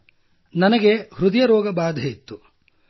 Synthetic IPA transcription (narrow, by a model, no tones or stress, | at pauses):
nɐnɐɡe̞hɾud̪ɐjɐɾɔːɡɐbaːd̪ʱeit̪ːu